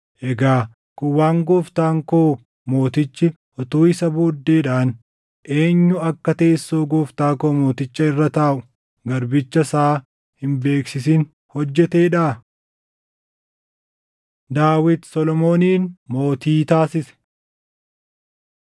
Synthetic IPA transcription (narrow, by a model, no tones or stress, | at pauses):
ʔɛɡaː | kʊwaːŋɡoːft̪aːŋkoː | mo̞ːt̪ɪt͡ʃːɪ | ʔɔt̪uːɪsɐbuːd̪ːeːᶑaːn | ʔe̞ːɲːʊɐkːɐt̪e̞ːsːoːɡoːft̪aːkoːmo̞ːt̪ɪt͡ʃːɐɪrːɐt̪aːʔʊ | ɡɐɾbɪt͡ʃːɐsaː | hɪmbe̞ːksɪs̬ɪn | hɔd͡ʒːɛt̪e̞ːᶑaː | d̪aːwɪt̪sɔlɔmo̞ːniːnmo̞ːt̪iːt̪aːsɪsɛ̥